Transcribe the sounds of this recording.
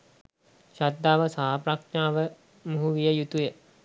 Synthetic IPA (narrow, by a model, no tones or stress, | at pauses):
ʃatd̪ːaːʋəsaɦapɾakaːʋə | muɦuʋijəjut̪ujə